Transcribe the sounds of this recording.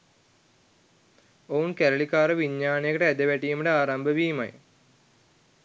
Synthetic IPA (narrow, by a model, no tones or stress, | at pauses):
oːnkeɾɐɭikːaːɾɨʋiɲːaːɳɐjɐkːɐɽeed̪ɐʋeʈːijɐmɽeaːɾaːmbʱɐʋiːma̰ːjḭ